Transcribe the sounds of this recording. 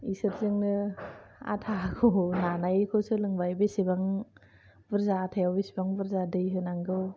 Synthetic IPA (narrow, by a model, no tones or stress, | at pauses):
isɯɾzɯŋnɯ | a̰tʰakʰonanajkʰɯwsɯlɯŋbajbesibaŋ | bɯɾzaːtʰajawbesibaŋbɯɾzadɯjɦɯnaŋɡɯw